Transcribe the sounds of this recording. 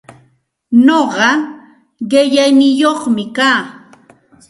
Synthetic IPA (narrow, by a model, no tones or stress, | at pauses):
noɢɑ | ɢɪʎajnɪjoχmɪkaː